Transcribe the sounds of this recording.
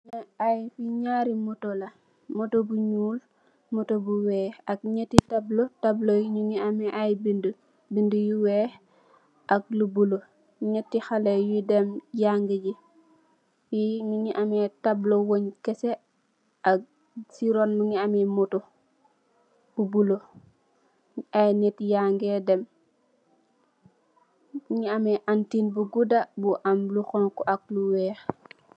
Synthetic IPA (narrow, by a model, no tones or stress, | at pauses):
ajfiɲaːɾimutolɐ | motobuɲuːl | mutobuwɛːɐk̚ɲɛtːitablotɐblojiɲuɲiamɛʔajbində | bindəjuwɛː | ʔɐk̚lubulo | ɲɛtːixalejudɛmjaŋɡəɟi | jiɲuɲiʔamɛtablowoɲkese | ak̚ | siɾonmuɲiamɛmuto | b̥ubulo | ajnetjaŋɡedɛm | ɲiamɛʔantinbuɡudabuʔamlukɔŋkɔʔak̚luwɛːx